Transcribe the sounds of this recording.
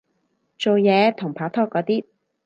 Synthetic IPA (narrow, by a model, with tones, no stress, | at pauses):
t͡so˨wjɛː˨˧t̪ʰʊ˨˩ŋpʰaː˨˥t̪ʰɔː˥kːɔː˨˧˥t̪iː˥